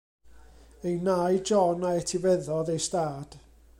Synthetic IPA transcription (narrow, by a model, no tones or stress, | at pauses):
ejnajd͡ʒɔnaɛtʰivɛðɔðejstaːd̥